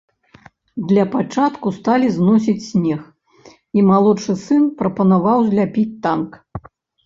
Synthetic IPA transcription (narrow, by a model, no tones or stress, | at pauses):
d̪lʲɐpat͡ʂat̪kust̪alʲiznɔs̬ʲit͡sʲsʲnʲɛx | imalˠɔt͡ʂɨsɨnpɾɐpɐnavawzʲlʲapʲit͡sʲt̪ank